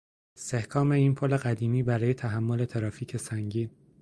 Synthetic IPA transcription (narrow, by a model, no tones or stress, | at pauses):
est̪e̞hkʰɒːme̞iːnpʰole̞ɣæd̪iːmiːbæɾɒːjet̪ʰæɦæmːole̞t̪ʰeɾɒːfiːcʰe̞sæŋɟiːn